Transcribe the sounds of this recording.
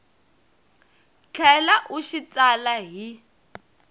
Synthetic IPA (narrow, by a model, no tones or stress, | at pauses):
t͡ɬʰɛlaʔuʃit͡sʼalaɦi